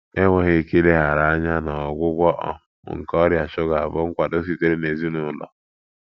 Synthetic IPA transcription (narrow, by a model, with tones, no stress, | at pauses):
e˦ŋʷe˨ɣe˨˦˨ke˦le˦ɦa˨ɾa˨a˦ɲa˦nɔ˨ɡʷʊ˦ɡʷɔ˦ʔɔ̰˦ | ŋ̩˨kɔ˦ɾja˨ʃʊ˦ɡa˨vʊ˦ŋ̩˦kʷa˨do˦s̬i˨te˦ɾe˦ne˨zi˦nʊ˨lɔ̰˨